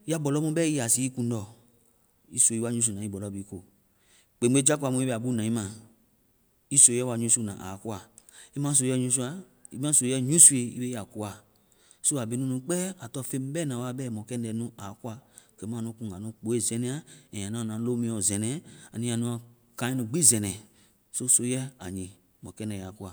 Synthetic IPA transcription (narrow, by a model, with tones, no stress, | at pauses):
a˦bɔ˨lɔ˦mũ˦bɛ˦i˦a˨si˨˦i˦kũ˧n˦dɔ˨ | i˦so˨i˦a˦ɲũ˦s̬u˧˨nã˨i˦bɔ˨lɔ˨˦bi˨i˦ko˨ | k͡pe˨˦e˦d͡ʒa˦ka˨mũ˧˦i˦be˦a˨bu˦nã˨i˦mã˨ | i˦so˨˦ɛ˦a˧ɲũ˦su˦˧˦nã̰˨ʔa̰˨ku˦a˨ | i˦mã˦s̬o˨jɛ˦˨ɲũ˧˦s̬u˦a˨ | ḭ˦mã˦so˨˦ɛ˦ɲũ˦su˦e˨ḭ˦be˦a˨ku˨˦a˨ | so˦a˨bi˨nũ˦nũ˧k͡pɛ˦a˨tɔ˦˨fe˦m˦bɛ˦nã˨wa˦bɛ˦˨mɔ̃˨kɛ˦n˦ɛ˨nũ˦a˨˦ku˦a˨ke˨˦mã˦˨nũ˧˦kũ˨ŋ˨a˨nũ˦k͡po˨˦e˦˨zɛ̃˨nɛ̃˨a˨ɛ̃˨ã˨nã˦˨nã˨˦lo˦mĩ˦ɔ˨zɛ˨nɛ̃˨a˨nĩ˦ã˨nũ˦a˨ | kã˨˦i˦nũ˧ɡ͡bi˦˨zɛ˨nɛ̃˨ | so˦so˦jɛ˦a̰˨ɲĩ˨ | mɔ̃˨kɛ˦nɛ˨ja˨ku˦a˨